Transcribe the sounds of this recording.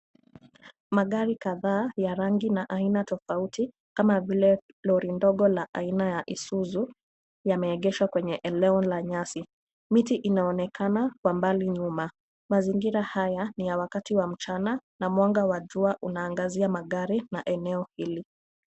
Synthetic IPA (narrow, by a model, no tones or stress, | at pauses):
maɠaɾikaðaːjaɾaŋɡinaʔainatɔfauti | kamavilɛ | lɔɾindɔɠɔlaʔainajaʔisuzu | jamɛːɠɛʃwakwɛɲɛʔɛlɛɔnlaɲasi | mitiʔinaɔnɛkanakwambaliɲuma | maziŋɡiɾahajanijawakatiwam̩t͡ʃananamwaŋɡawaʄuaʔunaːŋɡaziamaɠaɾinaʔɛnɛɔhili